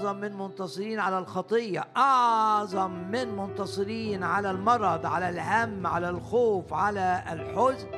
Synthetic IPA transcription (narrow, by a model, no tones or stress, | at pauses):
ðˤɑmːɪnmʊnt̪ɑsˤɨɾiːnʕalalxɑt̪ˤɨjːɑ̰ʔɑʕðˤɑmːɪnmʊnt̪ɑsˤɨɾiːnʕalalmɑɾˤɑd̪ˤʕa̰lalhamːʕa̰lalxoːfʕalalħʊz